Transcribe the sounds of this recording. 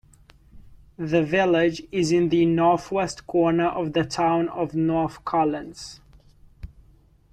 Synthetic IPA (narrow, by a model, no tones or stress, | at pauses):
ðəvɪlɪd͡ʒɪzɪ̃nðɨnɔɹθwɛstkʰɔːnəʔəvðətʰãʊ̃nəvnɔɹθkʰɔlə̃nz̥